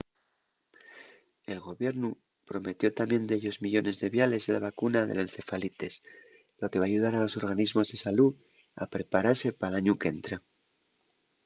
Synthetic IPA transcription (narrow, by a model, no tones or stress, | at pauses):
e̞lɣo̞βje̞ɾnu | pɾo̞me̞t̪jo̞t̪amje̞nd̪eʎo̞zmiʎo̞ne̞zðe̞βjale̞zelaβakunaðe̞̰le̞nθe̞falit̪e̞s | lo̞ke̞βaːʝuðaɾalo̞so̞ɾɣ̞anizmo̞zðe̞salu | a̰pɾe̞paɾaɾse̞palaɲuke̞nt̪ɾa